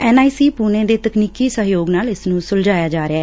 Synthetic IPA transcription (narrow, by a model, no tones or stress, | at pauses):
ɛːnaːiːsiːpuːnẽːd̪eːt̪əkniːkiːsəɦjoːɡnaːlɪsnũːsʊld͡ʒaːjaːd͡ʒaːɾeaɛː